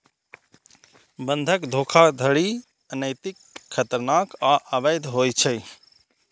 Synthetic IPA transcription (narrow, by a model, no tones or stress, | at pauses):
bənd̪ʱəkd̪ʱokʰad̪ʱəɽi | nəjt̪ikʰːət̪əɾnakaʔəbəjd̪ʱɦojt͡ʃʰə